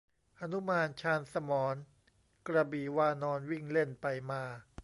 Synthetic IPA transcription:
ʔa˧nu˦˥maː˧nt͡ɕʰaː˧nsa˧mɔː˩˦n | kɾa˧biː˨˩waː˧nɔː˧nwi˥˩ŋle˥˩npa˧jmaː˧

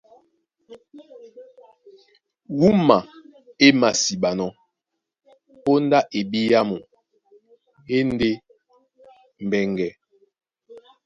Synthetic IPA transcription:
wu˦ma˨ | e˦ma˨si˨ɓa˨nɔ˦ | o˦nda˦ʔe˨bi˦ja˦mu˨ | e˦n˦de˦ | m̩˨bɛ˨ŋɡɛ˨

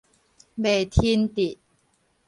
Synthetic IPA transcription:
be˨˩t̪ʰiː˧nt̪i˨˩t̪̚

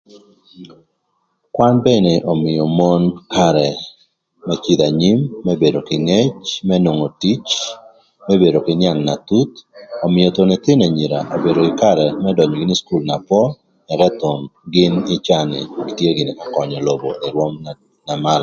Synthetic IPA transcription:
kwa˦nbɛ˦neʔɔ˨mɪ˨jɔ˨mo˦nka˦ɾɛ | mɛ˦t͡ʃid̪a˨ɲi˦mːɛbe˨do˨kɪ˨ŋe˦t͡ʃmɛ˦no˨ŋo˨ti˦t͡ʃ | mɛ˦be˨ɾo˨kɪnja˦ŋna˨t̪u˦t̪ɔmɪjo˨t̪onɛ˨t̪ɪ˦nɛ˨ɲi˨ɾa̰˨ʔo˨beɾo˨kɪka˦ɾɛmɛdɔ˨ɲɔɡɪ˦nɪ˦sku˦lna˨pɔ˦ | nɛ˨ɾɛt̪o˨nɡɪ˦nɪ˦t͡ʃaŋɪ̰˨ɡi˨tje˦ɡɪ˨na˦kɔ˨ɲɔ˨lo˨boʔe˨ɾwɔ˦m | na˨ma˦l

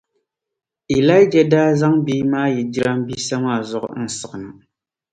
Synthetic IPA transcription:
i˨la˦jd͡ʒa˨daː˦za˦ŋbiː˦maː˦jɛ˨di˦ɾa˦mbi˦sa˦maː˦˨zʊ˨ʔʊ̰˨n̩˦˨sɨ˨ɡɨ˨nɨ˨

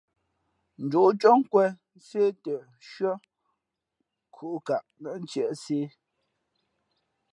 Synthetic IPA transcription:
n̩˨d͡ʒu˨ʔt͡ʃɔ˦ŋ˦kwɛ˦ | se˦tə˨ | ʃɥə˦ | kʰu˨ʔka˨ʔnə˨n̩˦t͡ʃjɛ˨ʔse˦

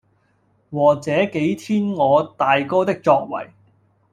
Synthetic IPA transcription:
waː˨˩t͡sɛː˨˥ke˨˥jt̪ʰiː˥nŋɔː˨˧t̪aː˨jkɔː˥t̪ɪ˥k̚t͡ʃɔː˧k̚wɐ̰˨˩j

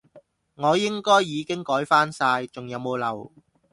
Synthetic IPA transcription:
ŋɔː˨˧jɪ˥ŋkɔː˥jːiː˨˧kɪ˥ŋkɔː˨˥jfaː˥nsaː˧jt͡sʊ˨ŋjɐ˨˧wmo˨˧wlɐ˨˩w

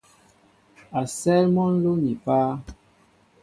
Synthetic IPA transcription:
a˨sɛ˦lmɔ˦n̩˦lo˦ni˨paː˦

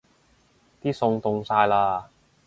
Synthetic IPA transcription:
t̪iː˥sʊ˧ŋt̪ʊ˧ŋsaː˧jlaː˧

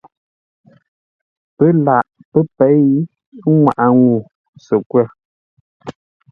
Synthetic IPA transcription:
pə˦la˨ʔpə˦pɛ˨˦j | ŋwa˨ʔa˨ŋu˨ | sə˨kwɛ˦˨

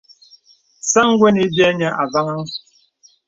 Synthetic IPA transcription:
sa˦ŋ̩˦ɡʷwɛ˦ni˦bjɛ˦ɲɛ˦ʔa˨va˦ŋa˦ŋ˦

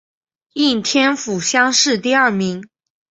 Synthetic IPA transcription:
i˥˩nt̪ʰjɛ˥nfu˨˩ɕjɑ˥ŋʂɻ̩˥˧t̪i˥˧ɐ˞˥˩mi˧˥ŋ

